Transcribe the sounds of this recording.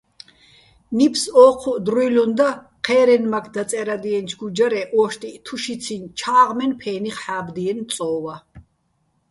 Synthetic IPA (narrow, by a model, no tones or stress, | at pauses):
nipʰsɔːqʰɔd̪ɾujlund̪a | qʰɛːɾɛnmakʰd̪at͡s̪ʼɛɾad̪iɛnt͡ʃʰɡud͡ʒaɾɛʔɔːʃt̪ʼit̪ʰuʃit̪t͡sʰint͡ʃʰaːʁmɛnpʰɛːniχħaːbd̪iɛnsʼɔːva